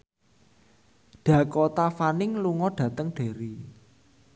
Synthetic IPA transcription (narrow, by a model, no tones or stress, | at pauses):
ɖ̥ä̤kɔt̪afanɪŋluŋɔɖ̥ä̤t̪əŋɖ̥e̤ɾi